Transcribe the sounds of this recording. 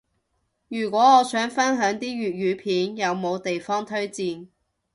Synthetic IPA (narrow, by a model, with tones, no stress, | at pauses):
jyː˨˩kʷwʷɔː˨˥ɔː˨˧sœː˨˥ŋfɐ˥nɦœː˨˥ŋt̪iː˥ɥyː˨t̚ɥyː˨˧pʰiː˨˥njɐ˨˧wmo˨˧wt̪e˨jfɔː˥ŋt̪ʰɵ˥ɥt͡siː˨n